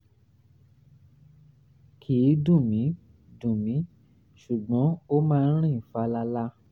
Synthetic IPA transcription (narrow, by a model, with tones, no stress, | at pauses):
kʰi˨˦dũ˦˨mĩ˨˦ | dũ˨mĩ˨˦ | ʃu˨ɡ͡bɔ̃˨˦o˦mãː˦˧n̩˦ɾ̃ĩ˦˨fa˨˦la˧la˦